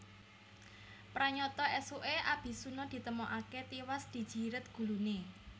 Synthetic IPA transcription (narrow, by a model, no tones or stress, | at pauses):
pɾaɲɔt̪ɔɛsoʔeʔab̥i̤sunɔd̪̥i̤t̪əmɔʔaket̪iwasd̪̥i̤d̥ʒ̥i̤ɾət̪̚ɡ̥ṳlune